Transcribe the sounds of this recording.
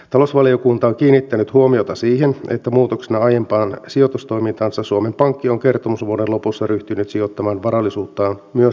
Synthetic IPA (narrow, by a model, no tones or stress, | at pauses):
t̪ɑlosʋɑliokunt̪ɑoŋkiːnːit̪ːænyt̪huomio̞t̪ɑsiːɦenḛt̪ːæmuːt̪oksinɑɑjempɑːnsio̞t̪ust̪o̞jmint̪ɑːnsɑsuomempɑŋkːioŋke̞rt̪omusʋuodenlo̞pusːɑryht̪ynyt̪sio̞t̪ːɑmɑːnʋɑɾɑlːisuːt̪ːɑːmyø